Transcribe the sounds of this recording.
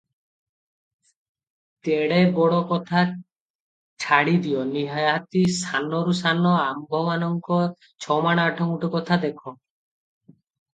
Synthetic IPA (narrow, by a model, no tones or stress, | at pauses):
t̪eɽebɔɽɔkɔt̪ʰa | t͡ʃʰaɽid̪iɔniɦajat̪isanɔɾusanɔambʱɔbanɔŋkɔ | t͡ʃʰɔmaɽ̃aːʈʰɔŋuʈɔkɔt̪ʰad̪ekʰɔ